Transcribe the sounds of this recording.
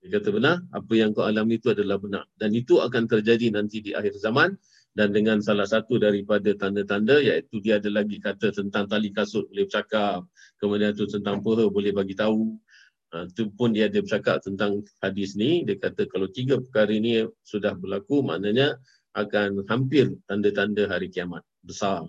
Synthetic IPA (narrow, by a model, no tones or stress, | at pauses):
diəkat̪əbənara̰pəjaŋkaalamit̪uadalahbəna̰rdanit̪ua̰kant̪ərd͡ʒadinant̪idiʔa̰ɦɪrzamãn | dandəŋansalahsat̪udaɾipadat̪andət̪andəjait̪udiaːdəlaɡikat̪ət̪ənt̪aŋt̪alikasʊt̪̚bolɛhbət͡ʃakap̚ | kəmadant̪ut̪ənt̪aŋpəɦəbolɛhbaɡit̪au | ət̪upʊndiaːdəbət͡ʃaka̰p̚t̪ənt̪aŋhadɪsnidiakat̪əkalawt̪iɡapəkaɾəinisudahbərlakuma̰ʔnaɲa | ʔakanɦampɪrt̪andət̪andəɦaɾikiamat̪̚bəsar